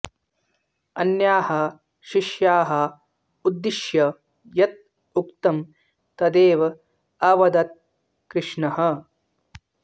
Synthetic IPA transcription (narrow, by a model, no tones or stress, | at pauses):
ɐnjaːhɐ | ʃiʃjaːɦɐ | ud̪ːiʃjɐ | jɐt̪̚ | ukt̪ɐm | t̪ɐd̪eːʋɐ | ɐʋɐd̪ɐt̪̚ | kɾɪʂɳɐɦɐ